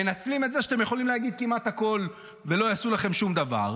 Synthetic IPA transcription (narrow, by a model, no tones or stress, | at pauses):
enat͡slimet̪zeʃat̪emjeχo̞limleaɡid̪̚kimat̪hako̞l | ve̞lo̞jasulaχe̞mʃumd̪ava̰ʁ